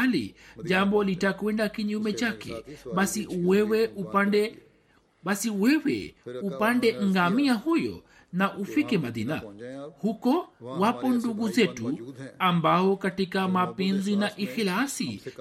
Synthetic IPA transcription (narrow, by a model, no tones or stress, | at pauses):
lḭʄambɔlitakwɛndakiɲumɛt͡ʃakɛ̰ɓasiwɛwɛupandɛ | ɓasiwɛwɛ̰upandɛŋ̩ɡamiahujɔ̰ | naʔufikɛmaðḭna̰hukɔwapɔnduɡuzɛtuambaɔkatikamapɛnzinaʔixilasi